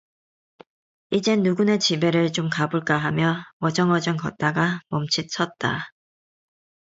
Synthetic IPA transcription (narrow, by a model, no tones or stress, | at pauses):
id͡ʑe̞nuɡunet͡ɕibe̞ɾɯɭt͡ɕomkabuɭk͈aɦamjʌwʌd͡ʑʌŋʌd͡ʑʌnkʌ̰t̚t͈aɡamʌmt͡ɕʰit̚s͈ʰʌt̚t͈a